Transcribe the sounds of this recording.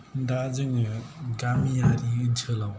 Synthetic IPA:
ndazɯŋɡamijaɾiːnt͡sʰɯlaw

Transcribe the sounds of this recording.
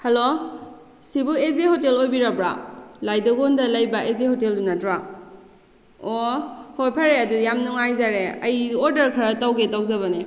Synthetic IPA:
hɐlo | sibuezehotelojbiɾabɾa̰lajdaɡondɐlɐjbaʔezehoteldunatɾa | ohojpʰaɾeɐdujamnuŋajzaɾeɐjoɾdɐɾkʰɐɾatawɡetawzaβane

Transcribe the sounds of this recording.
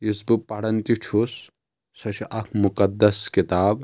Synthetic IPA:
isbɨpaɽɐnt̪it͡ʃʰus | sɐt͡ʃʰiʔɐkʰmukɐd̪ːɐskit̪aːb

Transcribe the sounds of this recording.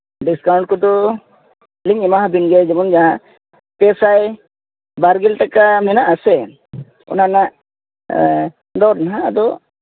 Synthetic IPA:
ɖiskawɳʈ̚kɔd̪ɔ | liŋɛmaɦabinɡɛd͡ʒɛmɔnd͡ʒaɦa | pɛsaj | baɾɡɛlʈakamɛnaʔasɛ | ɔ̰nanaʔ | d̪ɔɾnɦaad̪ɔ

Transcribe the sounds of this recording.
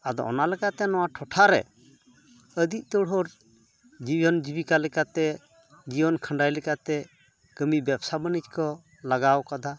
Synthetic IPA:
ad̪ɔ̰ʔɔ̰nalɛkat̪ɛnɔwaʈʰɔʈʰaɾɛ̰ | əd̪iʔ̚t̪ɔɽɔɾ | d͡ʒibɔnd͡ʒibikalɛkat̪ɛ | d͡ʒibɔnkʰəɳɖajlɛkat̪ɛ | kəmibjɛbsabənit͡ʃkɔ | laɡawkad̪ʱa

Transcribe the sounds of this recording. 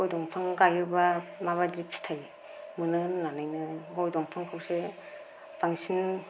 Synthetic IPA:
ɔjdɔŋpʰaŋɡajɯbamaβadipʰi̥tʰaj | mɯnɯnanajnɯɡɔjdɔŋpʰaŋkʰawse | b̥aŋsin

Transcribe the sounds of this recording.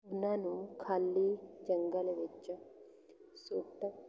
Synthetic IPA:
unanukʰalːid͡ʒəŋɡəlʋet͡ʃɐ | suʈɐ

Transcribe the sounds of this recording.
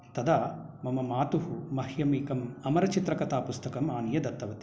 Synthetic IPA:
t̪ɐd̪aːmɐmɐmaːt̪uɦumɐhjɐmiːkɐmɐmɐɾɐt͡ʃit̪ɾɐkɐt̪aːpust̪ɐkɐmaːnijɐd̪ɐt̪ːɐʋɐt̪i̥

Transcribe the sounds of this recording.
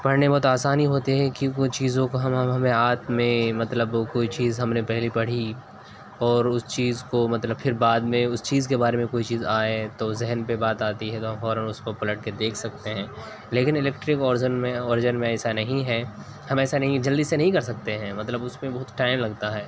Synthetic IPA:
pɐɽnebɐɦʊt̪aːsaːniɦoːt̪eɦɛ̃kikʊt͡ʃiːzõkoɦɐmɦɐmɦɐmẽaːt̪mẽmɐt̪ləbkoːit͡ʃiːzɦɐmnepɛɦlipɐɽ̤i | ɔːɾʊst͡ʃiːzkomɐt̪ləbfʰɪɾbaːd̪mẽʊst͡ʃiːzkebaːɾemẽkoːit͡ʃiːzaːet̪ozɛɦənpebaːt̪aːt̪iɦɛt̪oɦɐmfɔːɾənʊspɐpɐləʈ̚ked̪eːkʰsɐk̚t̪eɦɛ̃ː | leːkɪnɪlɛːk̚ʈɾɪkɔːɾɪzənmẽɔːɾɪd͡ʒənmẽɛːsanɐɦĩɦɛː | hɐmɛːsanɐɦĩd͡ʒɐld̪isenɐɦĩkɐɾsɐk̚t̪eɦɛ̃ːmɐt̪ləbʊsmẽbɐɦʊt̪ʈaːɪmlɐɡt̪aɦɛː

